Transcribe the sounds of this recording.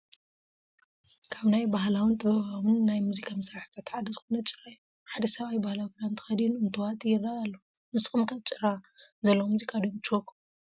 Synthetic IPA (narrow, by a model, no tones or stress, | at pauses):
kʰaβnajbaɦlawɨnt̪ʰʼɨβɐβawɨnːajmuzikʰamɐsɾaħḁt̪ʰat̪ʕad̪ɐzɨxunɐt͡ʃʼɨɾaj | ħad̪ɐsɐβajbahlawkɨd̪ant̪ʰɨ̥xɐd̪nɨnt̪ʰuwat̪ʼjɪraalːo | mɨsxʼɨmkʰat͡ʃʼɨɾazɐlːɐmuzikʰʼad̪omt͡ʃʰokʰʼu